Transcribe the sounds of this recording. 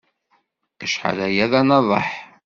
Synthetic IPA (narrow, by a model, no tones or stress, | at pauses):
əʃħə̰læjæðænɑðˤɑ̰ħ